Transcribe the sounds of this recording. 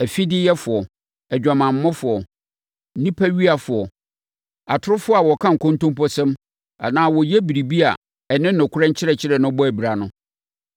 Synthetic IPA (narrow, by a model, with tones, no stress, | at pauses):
æ˨fi˦dɪ˦jɛ˦fʊ˨ɔ˨ | ɛ˨d͡ʑᶣa˨mã˨m̩˨mːʊ̃˦fʊ˨ɔ˨˦ | nĩ˦pʰæ˦ɥi˦a˨fʊ˨ɔ˨ | a˨tʰʊ˦ɾʊ˦fʊ˦a˨wɔ˨kʰã˦ŋ̩˨kʰõ˦ntõ˦mpɔ˦sɛ̃˦m | a̰˨nãː˦wɔ˨jɛ˦bi˨ɾi˨bi˦a˨ | ɛ˨nɪ̃˦n̩˦nʊ̃˨kʰʊ˦ɛ̃˦t͡ɕʰɪ˦ɾɛ˨t͡ɕʰɪ˦ɾɛ˨nʊ̃˦bɔ˦æ˨bi˨ɾa˨nʊ̃˦